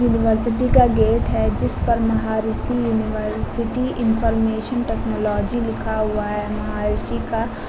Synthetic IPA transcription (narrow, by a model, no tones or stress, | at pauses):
juːnɪʋəɾsɪʈikaɡeːʈɦɛd͡ʒɪspɐɾmɐɦaːɾɪsijuːnɪʋəɾsɪʈiʔɪ̃npʰɔːɾmeːʃənʈɛːknɔːlɔːd͡ʒilɪkʰaɦʊaɦɛmɐɦaːɾɪsika